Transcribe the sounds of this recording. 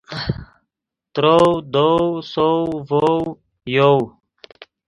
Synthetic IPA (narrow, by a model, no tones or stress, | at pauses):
t̪ɾowd̪owsowvow | jow